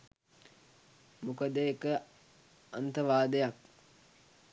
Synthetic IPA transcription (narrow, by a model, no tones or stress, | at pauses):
mukəd̪əekə | ant̪əʋaːd̪əjak